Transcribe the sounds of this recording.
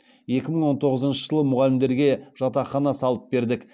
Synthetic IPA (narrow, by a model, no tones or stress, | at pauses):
je̞kʲɪməɴwo̞nt̪ʰo̞ʁəzənʃəʒəlˠəmʊʁɑlɪmd̪e̞ɾɡʲe̞ʒɑt̪ɑχɑnɑsɑlˠəp̚be̞ɾd̪ɪk